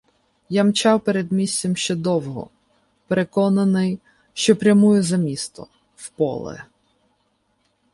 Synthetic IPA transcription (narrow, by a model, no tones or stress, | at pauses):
jamt͡ʃɑwpeɾed̪mʲisʲt͡sʲɛmʃt͡ʃɛd̪ɔwɦɔ̰ | peɾekɔnɐnɪj | ʃt͡ʃɔpɾʲɐmujʊzɐmʲist̪ɔ̰ | wpɔ̰lˠɛ̰